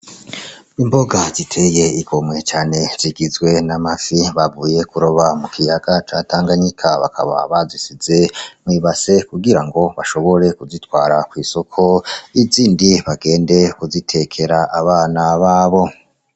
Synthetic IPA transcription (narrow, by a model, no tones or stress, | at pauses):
imbo̞ɡaz̥itʰe̞je̞iɡo̞mŋe̞t͡ʃaːne̞z̥iɡizɡwe̞namasiβavuːje̞kuɾoβamukʰijaɡat͡ʃaːtaːŋɡaɲikʰaβa̰kʰa̰βa̰βazisize̞mwiːβase̞kuɡiɾaŋɡo̞βaʃo̞βo̞ɾe̞kuzitwaːɾakwiːso̞kʰo̞iziːndiβaɡe̞ːnde̞kuzitʰe̞kʰe̞ɾaʔaβaːnaβaːβo̞